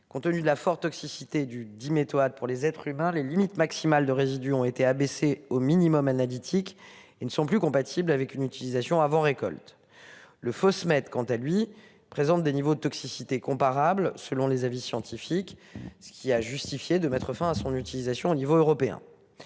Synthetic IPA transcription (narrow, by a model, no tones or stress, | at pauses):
kɔ̃t̪ənyd̪əlafɔʁt̪ɔksisit̪ed̪yd̪imet̪oad̪̚puʁlezɛt̪χymɛ̃lelimit̪maksimald̪əʁezid̪yɔ̃et̪eabeseominimɔmanalit̪ʰik | enəsɔ̃plykɔ̃pat̪ʰiblavɛkynyt̪ilizasjɔ̃avɑ̃ʁekɔ̰lt̪ | ləfɔsmɛt̪kɑ̃t̪alɥi | pχezɑ̃t̪̚d̪enivod̪ət̪ɔksisit̪ekɔ̃paʁablsəlɔ̃lezavisjɑ̃t̪ifiksə̥kʲiaʒyst̪ifjed̪əmɛt̪χəfɛ̃asɔ̃nyt̪ilizasjɔ̃onivoøʁɔpeɛ̰̃